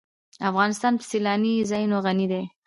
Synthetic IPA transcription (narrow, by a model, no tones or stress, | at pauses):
afɣɑnɪst̪ɑnpə̥silɑnizɑjnoɣanid̪e